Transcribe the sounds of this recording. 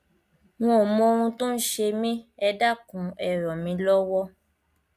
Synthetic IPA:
w̃ɔ̃˦˨mɔ̃˧o˧ɾũ˧to˦n̩˦ʃe˧mĩ˦ɛ˧da˦˨kũ˨˦ɛ˦˨ɾɔ˨mĩ˨˧lɔ˦wɔ˦

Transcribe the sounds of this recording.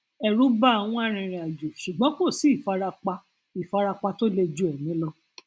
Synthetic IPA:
ɛ˨ɾũ˨˦ba˦a˨w̃ɔ̃˧˦a˦˨ɾ̃ĩ˨˧˨ɾĩ˨a˨d͡ʒu˨ʃu˨ɡ͡bɔ̃˨˦k͡po˦˨si˨˦i˦˨fa˧ɾa˧k͡pa˧ | i˨fa˧ɾa˧k͡pa˧to˦le˧d͡ʒu˦ɛ˨nĩ˨˦lɔ˦˧

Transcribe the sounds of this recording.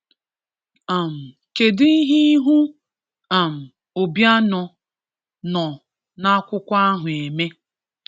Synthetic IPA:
a˨m̩˨ | ke˨dɪ˦i˦ɦi˦ɦu˦ | a˨m̩˨ | o˨bja˦nɔ˨ | nɔ˨ | na˦kʷʊ˦kʷa˦a˦ɦʊ˨e˨me˦

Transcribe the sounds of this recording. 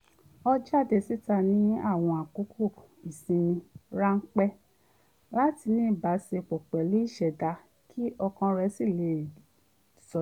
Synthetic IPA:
ɔ˧d͡ʒa˦˨de˧si˦ta˧nĩ˦a̰˦˨w̃ɔ̃˧a˨ku˨˦kʰo˦˨ | i˨sĩ˧nĩ˧ɾa˦ŋ̩˦k͡pɛ˦ | la˦ti˧nĩː˦˨ba˨˦se˧k͡pɔ˨k͡pɛ˨li˦i˦˨ʃɛ˨da˧ | kʰi˦ʔɔ˧kã˧ɾɛ˧˦si˦˨le˨ | sɔ˨

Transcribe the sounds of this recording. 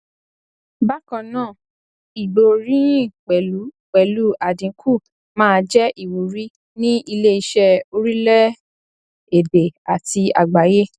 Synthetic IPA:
ba˦kã˧nãː˦˨ | i˨ɡ͡bo˨˧˨ɾĩ˦ĩ˦˨k͡pɛ˨lu˨˦ | k͡pɛ˨lu˦ʔa˨dĩ˨˦kʰu˦˨ | mãː˦˧d͡ʒɛ˦ʔi˨wu˨ɾi˦ | nĩ˦i˧le˦i˧ʃɛ˧o˧ɾi˦lɛ˦ | e˨de˨a˨ti˧a̰˨ɡ͡ba˨˦je˦

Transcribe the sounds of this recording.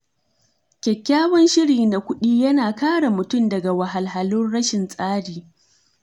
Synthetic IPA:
kʲɛ˨kʲːaː˦wɐ˦nʃɪ˦ɾiː˨na˨kʷʊ˦ɗiː˦jɐ˦naː˨kaː˦ɽa˨mʊ˨tʊ˦˨mdɐ˨ɡa˨wɐ˨ɦa˨lɦa˨lʊ˦nɽɐ˦ʃɪ˨nsʼaː˦ɽiː˨

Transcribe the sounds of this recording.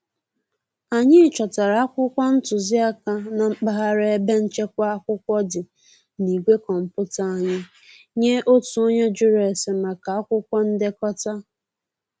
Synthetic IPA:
a˨ɲɪ˦˨t͡ʃɔ˨ta˨ɾa˨a˦kʷʊ˦kʷɔ˦n̩˦tʊ˨zɪ˦a˦ka˦na˨ŋ͡m̩˦k͡pa˦ɦa˦ɾe˦e˦be˦n̩˦t͡ʃe˦kʷa˦a˦kʷʊ˦kʷɔ˦dɪ˨ | ni˨ɡʷe˦kɔ˨m̩˨pʊ˦ta˦a˦ɲɪ˦ | ɲe˦ʔo˦tu˨o˦ɲe˦d͡ʒʊ˦ɾe˨se˨ma˨ka˨a˦kʷʊ˦kʷɔ˦n̩˦de˦kɔ˦ta˦

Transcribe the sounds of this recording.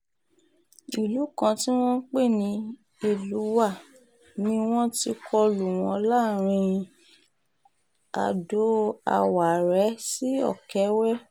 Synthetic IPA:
i˨lu˨˦kã˧ti˦w̃ɔ̃˦k͡pe˦˨nĩ˧ | i˦˨lu˨˦wa˦˨ | nĩ˧w̃ɔ̃˦ti˧kʰɔ˧lu˨w̃ɔ̃˨˧˦la˦˨ɾ̃ĩ˧ | a̰˧˨do˨˦a̰˧wa˨ɾɛ˨˦si˦ɔ̰˦˨kɛ˨˦wɛ˦

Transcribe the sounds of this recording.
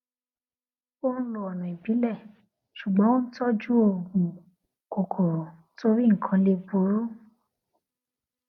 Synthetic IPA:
o˦ñ̩˦lɔ˨ɔ˨nũ˨i˨bi˨˦lɛ˦˨ | ʃu˨ɡ͡bɔ̃˨˦o˦n̩˦tɔ˦d͡ʒu˦o˧˨ɡũ˨ | kɔ˨kʰɔ˨ | to˧ɾi˦ŋ̩˨kʰã˧le˧bo˨˦ɾo˦

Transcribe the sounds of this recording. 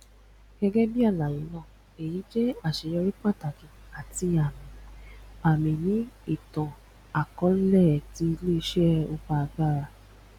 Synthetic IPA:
ɡ̥ɛ˧ɡɛ˦bi˦a˦˨la˨jĩ˨˦nãː˦˨ | e˨jĩ˨˦d͡ʒɛ˦a˦˨ʃe˨jɔ˧ɾi˦k͡pã˦˨ta˨kĩ˨˦ | a˨ti˧˨a˨mĩ˨a˨mĩ˨nĩ˨˦i˦˨tɔ̃˨ | a˨kɔ̃˨˦n̩˦lɛ˦˨ti˨˦˧le˦i˧ʃɛ˦ɛ˦o˧ba˧a˧ɡa˦˨ɾa˧

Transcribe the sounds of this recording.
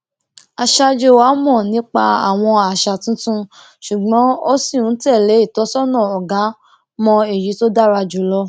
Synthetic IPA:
a˨ʃa˧d͡ʒo˧wa˨˦mɔ̃˦˨nĩ˨˦k͡pa˧a̰˨w̃ɔ̃˧a˨ʃa˧˨tũ˦tũ˦ | ʃu˨ɡ͡bɔ̃˨˦o˦si˦˨ũ˨˦tɛ˦˨le˨˦i˦˨tɔ˨˦sɔ˦nɔ̃˦˨ɔ˨ɡa˨˦ | mɔ̃˧e˨ɾi˨˦to˦da˦ɾa˧d͡ʒu˨˦lɔ˧

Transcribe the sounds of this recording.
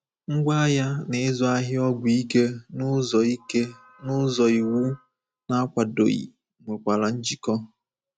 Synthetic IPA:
ŋ̩˦ɡʷa˦a˦ja˦ne˨ɪ˦zɔ˨a˦ɦɪ˦ɔ˦ɡʷʊ˨i˦ke˦nʊ˦zɔ˨i˦ke˦ | nʊ˦zɔ˨i˨wu˦ | na˦a˦kʷa˨do̰˨ḭ˨ | ŋʷe˨kʷa˨la˨n̩˦d͡ʒi˦kɔ˦

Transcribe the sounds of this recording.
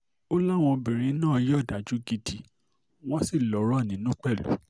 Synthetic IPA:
o˦la˦˨w̃ɔ̃˧bĩ˨ɾ̃ĩ˨˦nãː˦˨˧jɔ˦˨da˨d͡ʒu˨˦ɡi˧di˨ | w̃ɔ̃˦si˦˨lɔ˨˦ɾɔ˦˨nĩ˨˦nũ˦k͡pɛ˦˨lṵ˨˦

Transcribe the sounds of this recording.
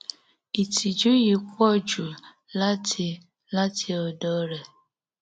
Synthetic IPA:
i˨tʰi˨d͡ʒu˦ji˨kʷɔ˦d͡ʒu˨ | la˦t | la˦tʰi˨ɔ˨dɔ˨˦ɾe˨

